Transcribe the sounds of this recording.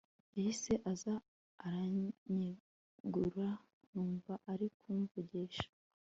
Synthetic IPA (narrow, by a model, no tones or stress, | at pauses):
ihiseʔazaː | ɾaɲi | ɡuɾa | nuːɱvaʔaɾikʰuːɱvuɟeːʃḁ